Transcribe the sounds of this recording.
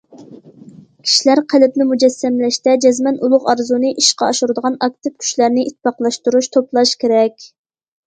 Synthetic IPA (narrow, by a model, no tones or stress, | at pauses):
kʲʰi̥ʃilæɾqʰælɪp̚nɪmud͡ʒɛsːɛmlɛʃt̪ɛd͡ʒɛzmɛnulˠʊʁɑɾzunɨʔiʃqɑɑʃuɾɨd̪əʁɑnɑk̚t̪ɨp̚kʲʰy̥ʃlæɾnɪʔit̪ʰːpɑqlˠɑʃt̪uɾuʃt̪ʰoplˠɑʃkʲʰeɾɛkʲ